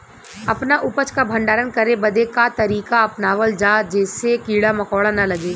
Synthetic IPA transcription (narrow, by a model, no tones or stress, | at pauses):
ɐpnaʔʊpət͡ʃkabʱɐ̃ɳɖaːɾənkɐɾebɐd̪ekat̪ɐɾiːkaɐpnaːʋəld͡ʒaːd͡ʒɛːsekiːɽamɐkɔːɽanɐlɐɡeː